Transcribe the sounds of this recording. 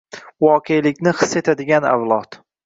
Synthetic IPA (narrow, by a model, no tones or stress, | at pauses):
wɒqʰelɪkʲnɪχɨ̥sːet̪ʰad̪ɪɡʲana̰wlˠɒt̪